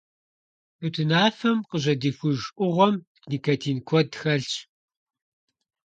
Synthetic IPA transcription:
utʰɨnaːfɐmqəʑɐdiːfʷʊʒʔʷʊʁʷɔm | ɡniːkʰɐtʰiːnkʷʰɔdxɐɬt͡ʃ

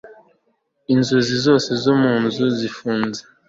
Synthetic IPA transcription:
inzuzizoːse̞zomuːnzuzifuːnze̥

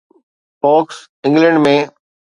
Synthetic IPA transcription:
pɔːks | ɪ̃ŋɡlə̃ɳɖmẽː

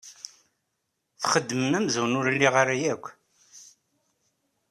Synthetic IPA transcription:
θχəd̪ːməmæmzuwnʊɾlːiʁəɾæjækʷː

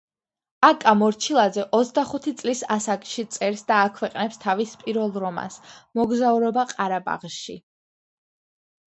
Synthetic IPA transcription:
akʼamɔɾt͡ʃʰilˠad̪zɛʔɔt̪sʰd̪aχut̪ʰit̪sʼlisasakʼʃit̪sʼɛɾsd̪aːkʰwɛqʼnɛpst̪ʰavispʼiɾvɛlˠɾɔma̰smɔɡzauɾɔbaqʼaɾaba̰ʁʃḭ

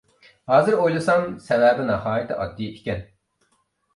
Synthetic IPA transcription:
hɑːzɨɾojlˠɨsɑŋsɛwɛbɪnɑhɑːjit̪ʰɪʔɑ̰t̪ːijʔikʲɛn

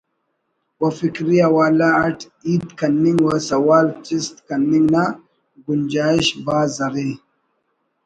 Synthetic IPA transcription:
wɐfikɾijawaːlaaʈ | iːd̪kɐnːiŋɡwɐsɐwaːlt͡ʃist̪kɐnːiŋɡna | ɡund͡ʒaːiʃbaːzɐɾi

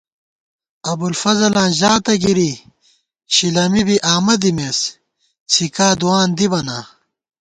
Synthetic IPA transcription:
ɐbulfɐzɐlãːʑaːt̪ɐɡiɾi | ɕilɐmibiʔaːmɐd̪imeːs | sikaːd̪uwaːnd̪ibɐnaː

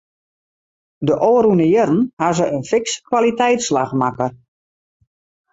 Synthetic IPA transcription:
dəʔoːɾunəjəɾn̩hazəʔənfɪkskʋalitɛjtslaxmakər

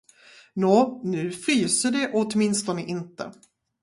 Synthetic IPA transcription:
noːnʉ̟ːfɾyːsəɖɛʔoːt̪mɪnst̪ɔnəʔɪnt̪ə̰

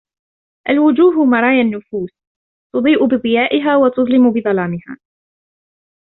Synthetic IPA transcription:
ʔalwʊd͡ʒuːɦʊmɑɾˤɑːjanːʊfuːs | t̪ʊd̪ˤiːʔʊbɨðˤɨjaːʔɪɦaːwat̪ʊðˤlɪmʊbɨðˤɑlɑːmɪha̰ː

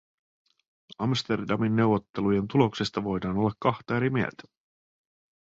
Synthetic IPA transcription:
ɑmst̪e̞rdɑminːe̞wʋo̞t̪ːe̞luje̞nt̪ulo̞ksest̪ɑʋo̞jdɑːno̞lːɑkːɑxt̪ɑeɾimiḛlt̪æ̥

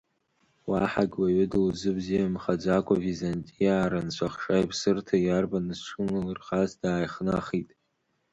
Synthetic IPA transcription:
waħaɡʲwaɥɪdlzɨbzijamχad͡zʷakʷʼavizantʼijaːɾant͡ɕʷʰaχʂajpʰsɨrtʰajarbanɨzʈ͡ʂʰɨnɨlɨrχazdaːjχnaχitʼ

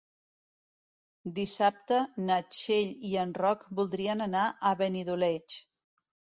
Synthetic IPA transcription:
d̪isap̚t̪ənət͡ʃeʎiənrɔkbulˠd̪ɾiənənaʔəβəniðulɛt͡ʃ

